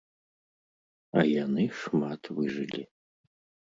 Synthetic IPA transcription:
a̰janɨʂmatʰwɨʐɨlʲi

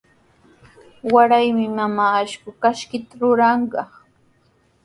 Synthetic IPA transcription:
waɾajmɪmamaːʃkʊkaʃkɪt̪aɾʊɾɑɴɢɑ

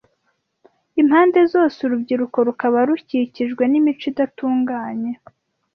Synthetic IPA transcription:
imhaːnde̞zo̞ːsuɾubɟiɾuko̞ɾukaβaɾuciciʒɡwe̞nimit͡ʃidatuːŋɡaːɲe̞

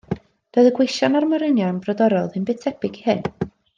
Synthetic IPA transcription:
d̥oɨðəɡwɪʃanarməɾənjɔnbrɔdɔɾɔðɨnbɪtʰɛbɪɡihɨn

